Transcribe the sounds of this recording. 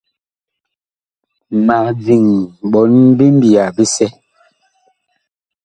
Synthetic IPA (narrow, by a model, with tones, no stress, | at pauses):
ma˨kd͡zi˨ŋɓɔ˨˦nbi˦m̩˦bi˨a˨bi˦sɛ˦